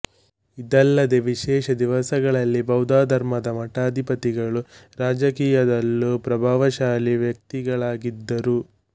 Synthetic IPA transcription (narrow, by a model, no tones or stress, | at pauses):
id̪ɛlːɐd̪eʋiʃɛːʃɐd̪iʋɐsɐɡɐɭɐlːibɐwd̪aːd̪ʱɐɾmɐd̪ɐmɐʈaːd̪ʱipɐt̪iɡɐɭuɾaːd͡ʒɐkiːjɐd̪ɐlːupɾɐbʱaːʋɐʃaːliʋjɐk̚t̪iɡɐɭaːɡid̪ːɐɾu